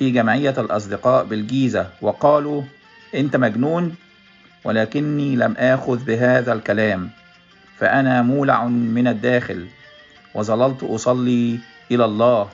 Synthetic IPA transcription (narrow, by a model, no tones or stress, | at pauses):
fiːɡæmʕɪjːælʔɑs̬ˤd̪ɪqɑːʔbɪlɡiːzæwɑqɑːluː | ʔɪnt̪æmæɡnuːn | wælæːkɪnːiːlæmʔaːxʊðbɪɦaːðælkælaːm | fæ̰ʔænæːmuːla̰ʕmɪnæd̪ːæːxɪl | wɑzˤɑlɑlt̪ˤʔɑsˤɑlːiː | ʔɪlælˤːɑːh